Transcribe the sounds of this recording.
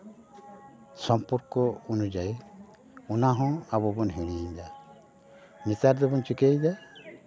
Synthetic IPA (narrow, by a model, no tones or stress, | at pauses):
sɔmpɔɾkɔunud͡ʒaj | unaɦɔ̃abɔbɔnɦiɽ̃iɲd̪a | mit̪aɾd̪ɔbɔnt͡ʃikejd̪a